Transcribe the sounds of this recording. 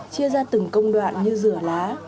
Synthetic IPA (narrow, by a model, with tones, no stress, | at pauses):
t͡ɕi˧əzaː˧t̪ɨ˨˧˩ŋkə˧wŋ͡mɗwa̰ː˧˨nɲɨ˧zɨ˧˩əlaː˨˦